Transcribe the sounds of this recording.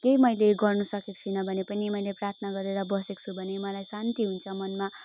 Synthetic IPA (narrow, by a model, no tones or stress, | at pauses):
kejmʌjleɡʌrnusʌkekt͡sʰunʌbʱʌnepʌnimʌjleprart̪ʰnaɡʌɾeɾʌbʌsekt͡sʰubʱʌnemʌlajsant̪iɦunt͡sʰʌmʌnma